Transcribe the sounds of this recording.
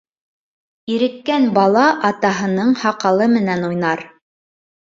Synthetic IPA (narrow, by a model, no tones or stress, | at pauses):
iɾɘ̆kːænbɑlˠɑʔɑt̪ɑɦɤ̆nɤɴhɑqɑlˠɤmɘ̆nænujnɑɾ